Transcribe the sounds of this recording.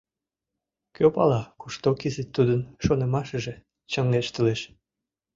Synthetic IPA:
køpɑlɑkuʃt̪okizet̪ːud̪ənʃonə̆mɑʃə̆ʒe | t͡ɕəŋːeʃt̪əleʃ

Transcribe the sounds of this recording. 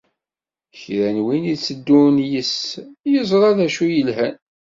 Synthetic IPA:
çɾænwinit͡sːəd̪ːunjəsjəzˤɾˤɑðæʃujəlɦæn

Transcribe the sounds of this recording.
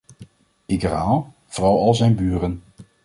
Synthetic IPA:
iɡəɾaːlˠ | v̥rɑwˠɑlˠzɛjnbyːɾən

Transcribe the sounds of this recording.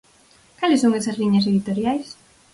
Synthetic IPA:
kalesːoŋesɐzliɲɐs̬eðit̪oɾjajs

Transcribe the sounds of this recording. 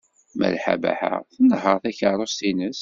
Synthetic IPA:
mæ̰lħa̰bæ̰ħa̰θənːəɦəʁθæçəɾˤost̪inəs

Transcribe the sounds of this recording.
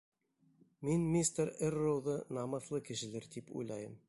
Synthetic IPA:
minmʲist̪eɾerːoðɤnɑmɤ̆θlˠɤkɘ̆ʃɘ̆lɘɾd̪ipṵjlˠɑjɤm

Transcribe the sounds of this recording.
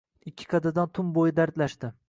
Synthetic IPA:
ɪkʲʰːɪ̥kʰɑd̪ad̪ant̪ʰʊmbojɪd̪aɾt̪laʃt̪ɪ

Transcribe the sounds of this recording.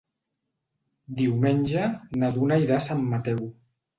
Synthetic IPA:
d̪iwmenʲʒanaðunaiɾasamːat̪ɛw

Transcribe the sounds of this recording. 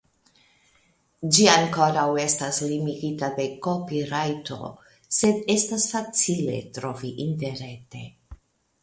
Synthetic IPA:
d͡ʒiaŋko̞ɾawe̞staslimiɡitabe̞kopiɾajto̞̰ | se̞de̞stasfat͡sile̞̰tɾo̞viʔinte̞ɾe̞te̞̰

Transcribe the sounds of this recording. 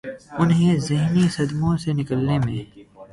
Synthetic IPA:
ʊnɦẽzɪɦnisɐd̪mõsenɪkəlnemẽː

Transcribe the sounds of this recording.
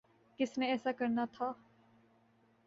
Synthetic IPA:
kɪsneɛːsakɐɾnat̪ʰa

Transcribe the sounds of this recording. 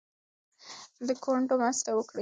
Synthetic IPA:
d̪əkʰoɳʈomast̪awəkɽi

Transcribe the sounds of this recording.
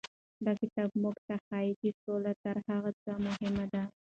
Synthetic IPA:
d̪akɪt̪ɑb̚mʊkt̪axaɪkisolat̪aɾhaɣat͡samʊhɪmad̪a

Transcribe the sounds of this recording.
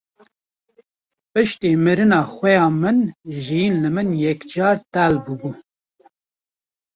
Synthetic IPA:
pɨʃt̪eːmɨɾɨnɑːxʷɛjɑːmɨnʒijinlɨmɨnjɛkd͡ʒɑːɾt̪ælbɨbuː

